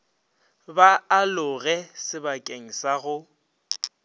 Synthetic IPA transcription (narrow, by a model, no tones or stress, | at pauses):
baalʊɣɛsɪbakʼeŋ̩saɣʊ